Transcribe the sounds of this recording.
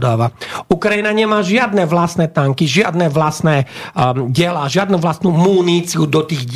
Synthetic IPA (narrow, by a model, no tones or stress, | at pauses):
d̪aːʋaukɾajinaɲɛmaːʒɪad̪nɛʋlasnɛt̪aŋkiʒɪad̪nɛʋlasnɛ | ɟɛlaːʒɪad̪nuʋlasnumuːniːt͡siud̪ɔt̪iːɣ